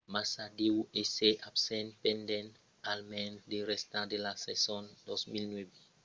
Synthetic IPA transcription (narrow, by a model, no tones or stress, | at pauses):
masadiwuʔeseʔapsɛ̃npɛ̃ndɛ̃n | almɛ̃ndeɾɛstãdelasɛsɔ̃ndɔsmilnwebi